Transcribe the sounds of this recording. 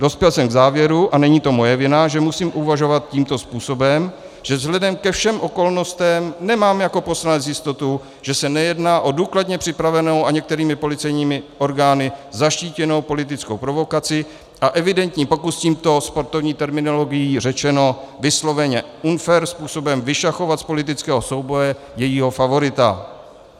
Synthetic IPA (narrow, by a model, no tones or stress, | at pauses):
do̞spjɛlsɛmɡzaːvjɛɾuʔanɛɲiːt̪o̞mo̞jɛvɪnaʒɛmusiːmʔuvaʒo̞vat̪̚ciːmt̪o̞spuːso̞bɛm | ʒ̥ɛvzɦlɛdɛmkɛfʃɛmʔo̞ko̞lno̞st̪ɛmnɛmaːmjako̞po̞slanɛt͡sjɪst̪o̞t̪u | ʒ̥ɛsɛnɛjɛdnaːʔo̞duːkladɲɛpr̥ɪpɾavɛno̞waɲɛk̚t̪ɛɾiːmɪpo̞lɪt͡sɛjɲiːmɪʔo̞ɾɡaːnɪzaʃciːcɛno̞wpo̞lɪt̪̬ɪt͡skowpɾo̞vo̞kat͡sɪ | ʔaʔɛvɪdɛnt̪ɲiːpo̞kusciːmt̪o̞spo̞ɾt̪ovɲiːt̪ɛɾmɪno̞lo̞ɡɪjiːrɛt͡ʃɛno̞vɪslo̞vɛɲɛʔunfɛɾspuːso̞bɛmvɪʃaxo̞vat̪spo̞lɪt̪̬ɪt͡skɛːɦosowbo̞jɛ | jɛjiːɦo̞favo̞ɾɪt̪a̰